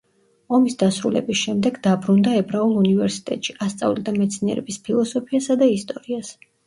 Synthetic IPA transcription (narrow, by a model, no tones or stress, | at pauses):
ɔmisd̪asɾulɛ̰bisʃɛmd̪ɛɡd̪abɾund̪aɛbɾaulˠunivɛɾsi̥t̪ʼɛ̰t̪ʼʃiʔast̪sʼa̰vlid̪amɛt̪sʰniɛ̰ɾɛ̰bispʰilˠɔsɔpʰiasad̪aist̪ʼɔɾias